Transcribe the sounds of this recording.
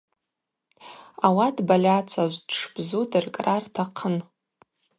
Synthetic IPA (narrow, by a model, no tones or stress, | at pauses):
awadbalʲat͡sʰaʒʷdʂʰbzudɨrkʼrartʰaqʰən